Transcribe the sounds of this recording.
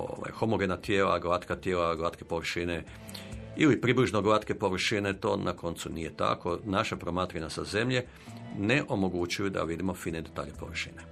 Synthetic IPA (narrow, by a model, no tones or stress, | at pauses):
o̰ʋa̰jxo̞moɡenat̪jeːla̰ɡlat̪kat̪jeːlaɡlaːt̪kepo̞ʋr̩ʃine | ilipɾibliʒnoɡlat̪kepo̞ʋr̩ʃine̞t̪o̞ːnʔakʰo̞nt̪sunije̞t̪a̰ko̞naʃapɾo̞maːt̪ɾaɲasaze̞mʎe̞ | ne̞ʔo̞mo̞ɡut͡ʃujud̪a̰ʋid̪imo̞fiːned̪et̪a̰ːʎepo̞̰ʋr̩ʃḭne